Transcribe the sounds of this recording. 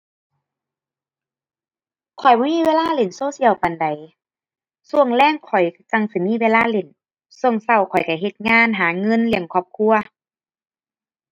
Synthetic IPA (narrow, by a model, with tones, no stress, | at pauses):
kʰɔ˨˩jbɔ˧˦miː˧˥˨weː˧˥˨laː˧˥˨le˨˩˨nsoː˧˥˨si˧˥˨əwpa˨nda˨˩j | su˧˩əŋlɛː˧˩˨ŋkʰɔ˨˩jka˧˩ŋsi˧˦miː˧˥˨weː˧˥˨laː˧˥˨le˧˩n | su˧əŋsa˧˩wkʰɔ˨˩jka˧˩ɦe˧˦t̪̚ŋaː˧˥˨nɦaː˨˦ŋɤ˧˨nli˧˩əmkʰɔː˧˩p̚kʰu˧ɐ